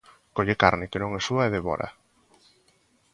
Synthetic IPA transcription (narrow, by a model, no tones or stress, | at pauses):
koʎekaɾnɪkenõŋɛsuaeðeβɔ̰ɾa̰